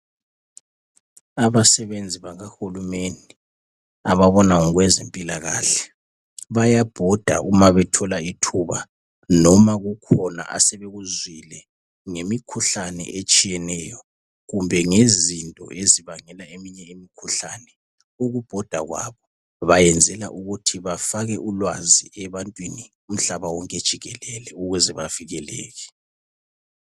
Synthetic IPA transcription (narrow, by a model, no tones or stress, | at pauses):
aβasɛβend͡zʱiβaɣaxulumeni | aβaβɔnauɣwɛzempʼilaɣaːɬɛ̥ | βajab̥ʱɔd̥ʱa̰ʔumaβɛtʰɔlaitʰuβa̰ | nɔmaɣukʰɔna̰ʔa̰sɛβeɣuzwilɛ | ŋemikʰuɬanɛ̰ʔet͡ʃʼijɛnɛjɔ | ɣumbʱɛŋezintʼɔ̰ʔeziβaŋɛlaemiɲɛemikʰuɬanɛ | uɣub̥ʱɔd̥ʱa̰ɣwa̰βɔ | βajɛnd͡zʱɛlaʔuɣutʰiβafaɣɛʔulwaziɛβantʼwini | um̩ɬaβawɔŋkʼed̥ʒ̥ʱiɣɛlɛlɛuɣwɛzɛβaviɣɛlɛ̰ːɣɛ